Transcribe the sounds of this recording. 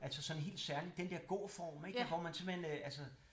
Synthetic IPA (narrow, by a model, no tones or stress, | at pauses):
ʔælsəsɒ̽nɦe̝̰ːld̥sæɐlid̥end̥eɐ̰ɡ̥o̝̰ːfɒ̰ːmeɡ̥ʋɒmænse̝mhenʔæls̬ə